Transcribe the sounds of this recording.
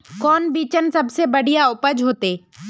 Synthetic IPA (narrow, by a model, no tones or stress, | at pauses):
kɔːnbiːt͡ʃənsɐbsebɐɽ̤ijaʊpəd͡ʒɦoːt̪eː